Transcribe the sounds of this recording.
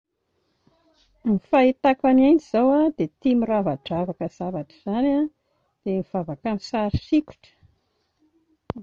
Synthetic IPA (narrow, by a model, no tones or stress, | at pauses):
mifait̪akanand͡ʒizawad̪̥et̪imiravaʈ͡ʂavakəz̥avaʈ͡ʂi̥z̥ana | d̪̥emiv̥avakamisaɾisiku̥ʈ͡ʂə̥